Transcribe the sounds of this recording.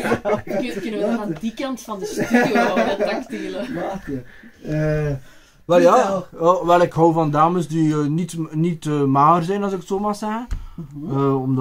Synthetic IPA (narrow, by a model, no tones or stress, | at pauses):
kkənəndikɑntfɑndəstyoakteːlə | ə | ʋɛlˠjaːəʋɛlˠɪkɦɔwvɑndaːməsdiənitnitəːmaːərzɛjnɑzɪkətsoːmarsɛɣə | əɔm